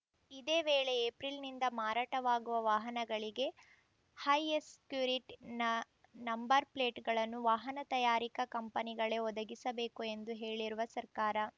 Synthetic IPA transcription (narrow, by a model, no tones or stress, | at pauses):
id̪eːʋeːɭe̞eːpɾilnind̪ɐmaːɾaːʈɐʋaːɡuʋɐʋaːɦɐnɐɡɐɭiɡe̞ | hɐjeskjuːɾiʈnɐ | nɐmbɐɾpleːʈɡɐɭɐnːuʋaːɦɐnɐt̪ɐjaːɾikɐkɐmpɐniɡɐɭe̞ɔd̪ɐɡisɐbeːkue̞nd̪uɦe̞ːɭiɾuʋɐsɐɾkaːɾɐ